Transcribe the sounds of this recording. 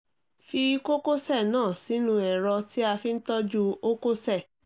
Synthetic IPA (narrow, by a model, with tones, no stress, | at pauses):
fi˧˦ko˦ko˦sɛ˦˨nãː˦˨si˨˦nũ˧˦ɛ˨ɾɔ˧ti˦a˧fi˦n̩˦tɔ˦d͡ʒu˦o˦ko˦sɛ˦˨